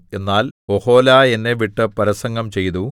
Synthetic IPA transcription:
e̞nːaːloho̞ːlaːe̞nːeʋiʈːɨpɐɾɐsɐŋɡɐmt͡ɕe̞jt̪u

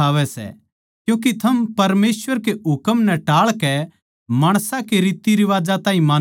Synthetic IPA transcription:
aːʋɛsɛ̰ | kjũːk̬it̪ʰɐmpɐɾmeːsʋəɾkeɦʊkəmnɛʈaːɭkɛ | maːɽ̃sãkeɾiːt̪iɾiʋaːd͡ʒat̪ãːɦĩmaː

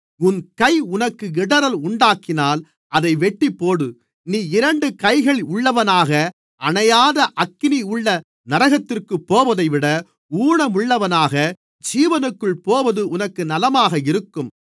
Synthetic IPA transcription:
ʊnkɐɪʊnɐkːɯɪɽɐɾɐlʊɳɖaːkɪnaːl | ʔɐðɐɪʋɛʈːipːoːɽɯ | niːɪɾɐɳɖɯkɐɪɣɐɭʊɭːɐʋɐnaːɣɐ | ɐɳɐjaːðɐʔɐkːɪniʊɭːɐ | nɐɾɐɣɐt̪ːɪrkɯpːoːʋɐðɐɪʋɪɽɐ | uːɽɐmʊɭːɐʋɐnaːɣɐ | d͡ʒiːʋɐnɯkːɯɭpoːʋɐðɯʔʊnɐkːɯnɐlɐmaːɣɐɪɾɯkːɯm

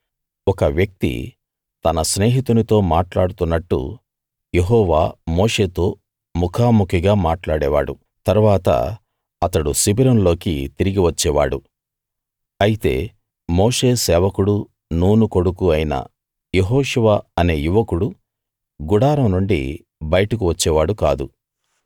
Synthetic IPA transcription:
ɔkɐʋjɐk̚t̪ḭ | t̪ɐnɐsneːɦit̪unit̪o̞ːmaːʈlaːɽut̪unːɐʈːṵ | je̞ɦɔːʋaːmo̞ːʂe̞ːt̪o̞ː | mukʰaːmukʰiɡaːmaːʈlaːɽɛːʋa̰ːɽṵ | t̪ɐɾuʋaːt̪ɐ̰ | ɐt̪ɐɽusibiɾɐnlo̞ːkḭt̪iɾiɡiʋɐt͡ʃːɛːʋaːɽṵ | ɐjit̪e̞̰ː | mo̞ːʂe̞ːsɛːʋɐkuɽu | nuːnuko̞ɽukuɐjinɐ̰ | je̞ɦɔːʂuʋaɐne̞ːjuʋɐkuɽu | ɡuɽaːɾɐmnuɳɖḭ | bɐjɐʈɐkuʋɐt͡ʃːɛːʋaːɽuka̰ːd̪u

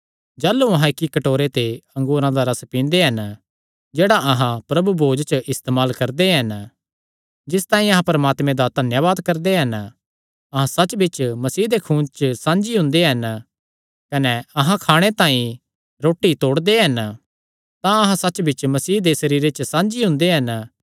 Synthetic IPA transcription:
d͡ʒaːlːuɐɦãɪkːikɐʈoːɾet̪eɐ̃ŋɡuːɾãd̪aɾɐspĩːnd̪eɦɐn | d͡ʒeːɽaʔɐɦãpɾɐbubʱoːd͡ʒt͡ʃʔɪst̪eːmaːlkɐɾd̪eɦɐn | d͡ʒɪst̪aːĩɐɦãpɐɾɐmaːt̪mẽd̪ad̪ʱɐnjaʋaːd̪kɐɾd̪eɦɐn | ɐɦãsɐtːt͡ʃbɪt͡ʃmɐsiːɦd̪ekʰũːnt͡ʃəsãːnd͡ʒiɦʊ̃nd̪eɦɐn | kɐnɛɐɦãkʰaːɽ̃et̪ãːĩ | ɾoːʈːit̪oːɽd̪eɦɐn | t̪ãɐɦãsɐːt͡ʃbɪt͡ʃmɐsiːɦd̪esɐɾiːɾet͡ʃəsãːnd͡ʒiɦʊ̃nd̪eɦɐn

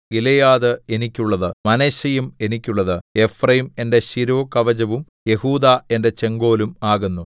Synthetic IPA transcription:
ilejaːðɨe̞nikʲːuɭːɐðɨmɐneɕɐjume̞nikʲːuɭːɐðɨe̞frɐjime̞nde̞ɕiɾoːkɐʋɐd͡ʑɐʋum | je̞huːd̪ae̞nde̞t͡ɕe̞ŋɡo̞ːlumaːɣunːu

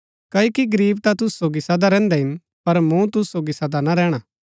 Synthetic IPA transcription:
kɐːokiɡɐɾiːb̚t̪at̪ʊssoːɡisɐd̪aɾɛ̃ːnd̪ɛɦɪn | pɐɾmũt̪ʊssoːɡisɐd̪anaɾɛːɽ̃a

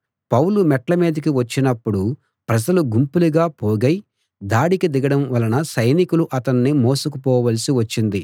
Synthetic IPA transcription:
pɐwlumɛʈlɐmeːd̪ɐk̬iʋɐt͡ʃːinɐpːuɽu | pɾɐd͡ʒɐluɡumpuluɡaːpoːɡɐj | d̪aːɽikid̪iɡɐɽɐmʋɐlɐnɐsɐjnikuluʔɐt̪ɐnːimoːsukupɔːʋɐlisiʋɐt͡ʃːind̪i

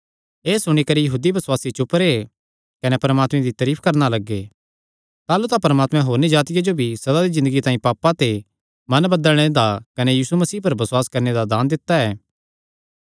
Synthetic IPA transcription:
eːsʊɽ̃ikɐɾijɐɦuːd̪ibɐswaːsit͡ʃʊpɾe | kɐnepɐɾmaːt̪mẽd̪it̪ɐɾiːpʰkɐɾnalɐɡːe | t̪aːlut̪apɐɾmaːt̪mɛ̃ɦoːɾnid͡ʒaːt̪ɪjad͡ʒobʱisɐd̪ad̪izɪ̃nd̪əɡit̪ãːĩpaːpːat̪e | mɐnbɐd̪əlɽ̃ed̪akɐnejiːsumɐsiːpɐɾbɐswaːskɐɾned̪ad̪aːnd̪ɪt̪ːaɛː

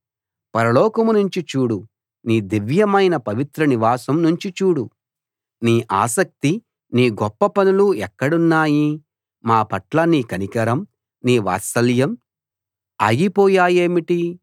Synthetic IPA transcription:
pɐɾɐlɔːkɐmunuɲt͡ʃit͡ʃuːɽu | niːd̪iʋjɐmɐjnɐpɐʋit̪ɾɐniʋaːsɐmnuɲt͡ʃit͡ʃuːɽu | niːʔa̰ːsɐk̚t̪i | niːɡɔpːɐpɐnuluɛkːɐɽunːaːji | maːpɐʈlɐniːkɐnikɐɾɐm | niːʋa̰ːsɐljɐm | a̰ːɡipɔːjaːjeːmiʈi

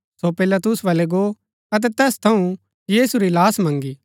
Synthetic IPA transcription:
sopɪlat̪ʊsʋaːlɛɡo | ɐt̪̬ɛt̪ɛːst̪ʰɐũ | jiːsuɾilaːsmɐ̃ŋɡi

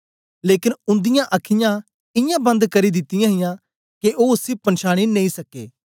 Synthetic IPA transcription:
leːkɪnʊ̃nd̪ɪjãʔɐkʰɪjã | ɪjãːbɐ̃nd̪kɐɾid̪ɪt̪ːɪjãːɦɪjãː | keʔoːʊsipɐ̃nʃaːɽ̃ineĩsɐkːḛː

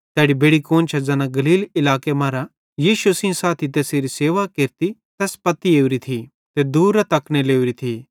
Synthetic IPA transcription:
t̪ɛːɽibeːɽikoːnt͡ʃʰɐd͡zɐːnãɡɐliːlɪlaːkemaːɾa | jiːʃusĩsaːt̪ʰit̪̬eːseɾiseːʋakeɾt̪it̪ɛːspɐt̪ːieːuɾit̪ʰi | t̪ed̪uːɾɐt̪ɐkñeleːuɾit̪ʰi

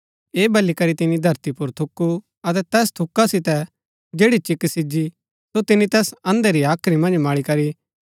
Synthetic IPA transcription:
eːbɐlikɐɾit̪ɪnid̪ʱɐɾt̪ipʊɾt̪ʰʊkːu | ɐt̪̬ɛt̪ɛːst̪ʰʊkːasɪt̪ɛ | d͡ʒeːɽit͡ʃɪkːsɪd͡ʒi | sot̪ɪnit̪ɛːsɐ̃nd̪eɾiaːkʰɾimɐ̃nd͡ʒmaːɭikɐɾi

